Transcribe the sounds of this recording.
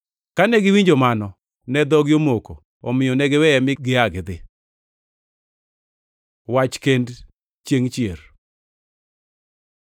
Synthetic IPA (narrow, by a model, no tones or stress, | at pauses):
kanɛɡɪwiɲd͡ʒomanɔ | nɛd̪ɔɡɪjomoko | ɔmɪjɔnɛɡɛwɛɛmɪɡɪaɡɪd̪ɪ | wat͡ʃkend | t͡ʃjeŋt͡ʃjeɾ